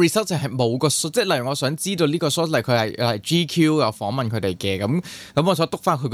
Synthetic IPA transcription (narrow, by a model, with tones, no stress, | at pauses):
i˨sɐ˥tɪ˨˩ŋhɐ˨jmo˨˧wkɔː˧sɔ˥t͡sɛː˥˩lɐ˨˩jy˨˩ŋɔː˨˧sœː˨˥ŋt͡siː˥t̪o˧niː˥kɔː˧sɔː˥t̚lɐ˨˩jkʰɵ˨˧ɥhɐ˨jlɐ˨jt͡ʃiː˥kʰjuː˥jɐ˨˧wfɔː˨˥ŋmɐ˨nkʰɵ˨˧t̪e˨˩jkɛː˧kɐ˨˦mkɐ˨˥mŋɔː˨˧sɔː˨˥t̪ʊ˥k̚faː˥nkʰɵ˨˧k